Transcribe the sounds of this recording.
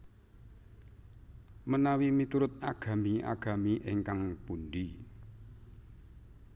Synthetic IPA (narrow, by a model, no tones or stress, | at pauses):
mənawimit̪uɾʊt̪̚aɡ̥a̤mia̰ɡ̥a̤miʔeŋkaŋpunɖi